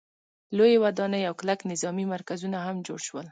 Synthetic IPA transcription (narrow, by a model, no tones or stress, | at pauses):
lojewad̪ɑnəjawklaknɪzɑmimaɾkazunaɦamd͡ʒoɽʃwəl